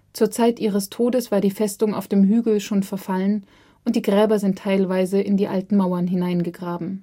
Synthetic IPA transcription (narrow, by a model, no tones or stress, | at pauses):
t͡suːɐt͡saɪtʔiːʁəstʰoːdəsv̥aːɐdiːfɛstʊŋa̰ʊfd̥eːmɦyːɡl̩ʃoːnfɛɐfalən | ʔʊnt̚d̥iːɡʁɛːbɐzɪntʰːaɪlvaɪzəɪndiːʔa̰ltn̩maʊɐnɦɪnaɪnɡəɡʁaːbm̩